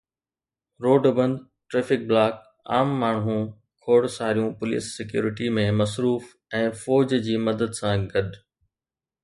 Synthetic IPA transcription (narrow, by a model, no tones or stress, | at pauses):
ɾoːɖbɐ̃nd̪ | ʈɾeːfɪk̚blaːk̚ | a̰ːmːaːɳ̃ɦũ | kʰoːɽsaːɾijũpʊlḭːsːɪkjṵːɾɪʈimẽmɐsɾuːf | ɛ̃ːfɔːd͡ʑd͡ʑiːmɐd̪əd̪sãɡɐɗ